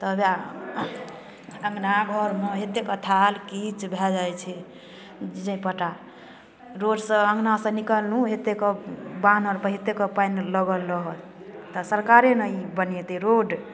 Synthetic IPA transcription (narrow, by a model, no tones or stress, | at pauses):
t̪ɔbja | əŋɡnaɡʱəɾmeɦet̪ekɔt̪ʰalkit͡ʃbʱɛd͡ʒajt͡ʃʰɛ | d͡ʒəĩpəʈa | ɾoɖsə̃ə̃ŋɡnasə̃nikəlnuɦet̪ekɔbanɔɾpəɦet̪ekɔpajnləɡəlːəɦət̪ | t̪ɔsəɾkaɾenəjbənɛt̪ɛɾoɖ